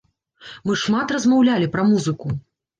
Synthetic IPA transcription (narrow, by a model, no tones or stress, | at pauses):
mɨʂmat̪rɐzmawlʲalʲipɾɐmuzɨku